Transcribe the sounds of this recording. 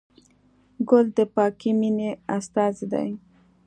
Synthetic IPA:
ɡʊld̪əpɑkimineast̪ɑzd̪a̰j

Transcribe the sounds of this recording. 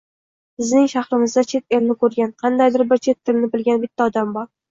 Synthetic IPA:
bɪznɪŋʃahɾɪmɪzd̪at͡ʃʰe̞t̪elnɪkʰɵɾɡʲanqʰɑnd̪ajd̪ɪɾbɪɾt͡ʃʰe̞t̪ʰːɪlnɪbɪlɡʲanbɪt̪ʰːaɒd̪ambɒɾ

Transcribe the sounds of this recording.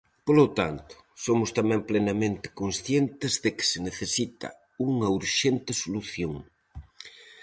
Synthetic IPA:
polot̪ant̪ʊ̥ | somʊst̪amɛ̃ŋplenɐmẽnt̪ɪ̥konsθjent̪ɪzðekɪ̥seneθesit̪ɐ̰ | uŋɐuɾʃent̪ɪsoluθjoŋ

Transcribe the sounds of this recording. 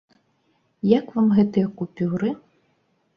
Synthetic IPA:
jɐkʋamɦɛt̪ɨjɐkupʲuɾɪ

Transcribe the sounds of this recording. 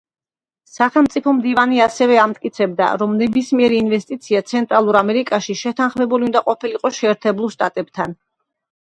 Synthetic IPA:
saχɛlˠmt̪sʼipʰɔmd̪ivaniasɛvɛamt̪ʼkʼit̪sʰɛbd̪a̰ɾɔmnɛbismiɛɾiːnvɛst̪ʼit̪sʰiat̪sʰɛnt̪ʼɾalˠuɾamɛɾikʼaʃiʃɛt̪ʰanχmɛbuliund̪aqʼɔpʰiliqʼɔʃɛːɾt̪ʰɛblulˠʃt̪ʼat̪ʼɛbt̪ʰan

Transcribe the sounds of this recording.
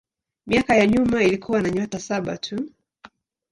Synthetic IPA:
miakajaɲumailikʰuwanaɲɔtasaɓa̰tʰu

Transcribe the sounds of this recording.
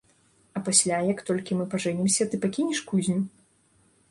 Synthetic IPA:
ɐpasʲlʲajɐkt̪ɔlʲkʲimɨpaʐɛnʲimsʲɐt̪ɨpakʲinʲiʂkuzʲnʲu

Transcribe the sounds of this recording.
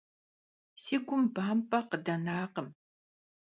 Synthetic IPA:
sɪkʷʊmpaːmpaqəd̪anaːqəm

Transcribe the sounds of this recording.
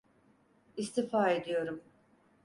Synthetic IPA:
ist̪ʰifaːed̪ijo̞ɾum

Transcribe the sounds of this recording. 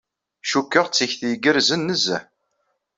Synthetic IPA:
ʃukːəʁt͡sːiçθjəɡəɾzənːəzæ

